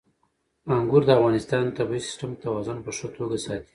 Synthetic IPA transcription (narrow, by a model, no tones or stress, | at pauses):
aŋɡuɾd̪əafɣɑnɪst̪ɑnt̪abisɪ̥sʈamt̪awɑzʊnpəʂət̪ʰoɡasɑt̪i̥